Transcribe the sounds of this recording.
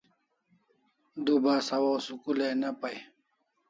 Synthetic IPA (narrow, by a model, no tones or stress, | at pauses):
d̪ubasɐwoːsukulenɐpɐj